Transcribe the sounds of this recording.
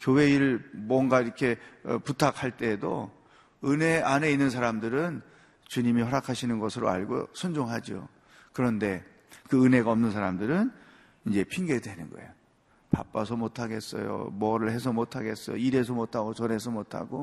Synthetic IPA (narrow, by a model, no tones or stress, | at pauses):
kjowe̞iɾɯɭmwʌŋɡaiɾʌkʰe̞putʰak̚ʰhaɭt͈e̞ːdo̰ | ɯne̞ane̞inːɯns̬ʰaɾamdɯɾɯn | t͡ɕuɲimihʌɾakʰaɕʰinɯnɡʌsʰɯɾo̰a̰ɭɡo̰sʰund͡ʑoŋɦad͡ʑio̰ | kɯɾʌnde̞ | kɯɯneɡaʌmnɯnsʰaɾamdɯɾɯn | ind͡ʑe̞pʰiŋɡe̞dwe̞nɯnɡʌ̰e̞̰jo | pa̰p͈as̬ʰʌmotʰaɡe̞s͈ʌ̰jo̰mʌɾɯɭhe̞s̬ʰʌmotʰaɡe̞s͈ʌjo̰iɾe̞s̬ʰʌmotʰaɡot͡ɕʌne̞sʰʌmotʰa̰ɡo